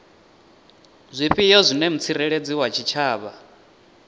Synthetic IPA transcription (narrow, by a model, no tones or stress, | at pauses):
zʷiɸʼijɔzʷinɛm̩t͡sʰiɾɛɺed͡ziwat͡ʃʰit͡ʃʰaːβa